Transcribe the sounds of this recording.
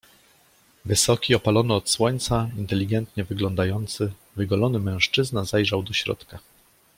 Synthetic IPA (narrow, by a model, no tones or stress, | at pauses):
vɘsɔkʲiɔpalɔnɛɔt̪swɔɲʲt̪saint̪ɛlʲiɡɛnt̪ɲɛvɘɡlɔnd̪ajɔnt̪sɘ | vɘɡɔlɔnɘmɛ̃w̃ʂt͡ʂɘznazajʐawd̪ɔɕɾɔ̰t̪ka